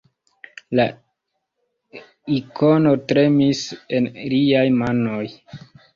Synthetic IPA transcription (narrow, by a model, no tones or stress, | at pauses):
la | ikono̞tɾe̞mise̞nliajmano̞j